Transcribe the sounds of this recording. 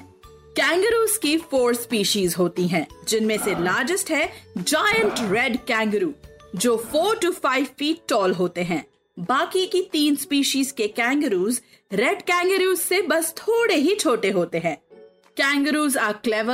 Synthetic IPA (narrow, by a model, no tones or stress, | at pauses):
kɛ̃ːŋɡɾuːzkifoːɾspiːʃiːzɦoːt̪iɦɛ̃ːd͡ʒɪnmẽselaːɾd͡ʒəsʈɦɛd͡ʒaːjə̃ɳʈɾɛɖkɛ̃ːŋɡɾuːd͡ʒoːfoːɾʈufaːɪʋfiːʈ̚ːɔːlɦoːt̪eɦɛ̃ː | baːkikit̪iːnspiːʃiːzkekɛ̃ːŋɡəɾuːz | ɾɛɖkɛ̃ːŋɡɾuːzsebɐst̪ʰoːɽeɦit͡ʃʰoːʈeɦoːt̪eɦɛ̃ː | kɛ̃ːŋɡəɾuːzaːklɛʋə